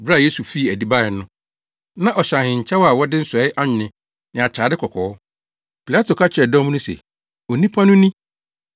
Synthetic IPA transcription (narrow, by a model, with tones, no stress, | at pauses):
bɾa˦˨je˦su˨fi˦˨æ˨di˦ba˦ɪ˨nʊ̃˦ | nã˦˨ʔɔ˨ɕã˨hɪ̃˨ɲ̩˨t͡ɕʰa˦wa˨wɔ˦dɪ˦n̩˦sʊ˨ɛ˨˦ɪ˦ʔa˦ɲɪ̃˨nɪ̃˨ | nɪ̃˨a˨t͡ɕʰaː˨dɪ˦kʰɔ˨kʰɔː˨ɔ˦ | pʰi˨la˦tʰo˨kʰa˦t͡ɕʰɛ˨dɔ̃˦m˦nʊ̃˦sḛ˨ | o˨nĩ˦pʰa˦nʊ̃˦nĩ˦